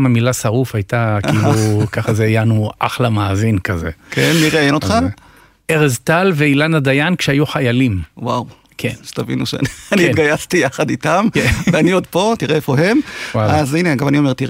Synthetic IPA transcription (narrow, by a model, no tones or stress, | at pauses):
mamilasaʁufajt̪akiːlukaχazeajanuʔa̰χlamaːzinkazekenmiʁeaenot̪χa | eʁezt̪alveilanad̪ajankʃeajuχajalimwaw | kʰenʃt̪avḭnṵʃḛaniit̪ɡajast̪ijaχad̪it̪amkeveaniod̪po̞t̪iʁeefo̞ɦe̞mwawazineaɡamanio̞meʁt̪iʁ